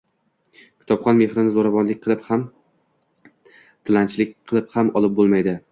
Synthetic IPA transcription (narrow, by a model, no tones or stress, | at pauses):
kʲʰɪ̥t̪ʰɒpχɒnme̞hɾɪnɪzoɾavɒnlɪk̚ʲqʰɨlˠɪpham | t̪ʰɪlant͡ʃʰlɪk̚ʲqʰɨlˠɪphamɒlˠɪp̚bolˠmajd̪ɪ